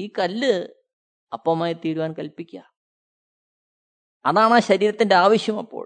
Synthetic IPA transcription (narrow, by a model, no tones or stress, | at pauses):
iːkɐlːɨ | ɐpːɐmaːjit̪iːɾuʋaːnkɐlpikʲːɐ | ɐðaːɳaːɕɐɾiːɾɐt̪ːinde̞aːʋɐɕjɐmɐpːo̰ː